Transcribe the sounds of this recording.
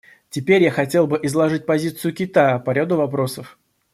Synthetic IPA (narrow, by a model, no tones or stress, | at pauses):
tʲɪpʲeɾʲjaxɐtʲe̞lˠbɨʔɪzlˠɐʐɨt̚ʲpɐzʲit̪sɨjʊkʲɪt̪ajəpɐɾʲad̪ʊvɐpɾo̞səf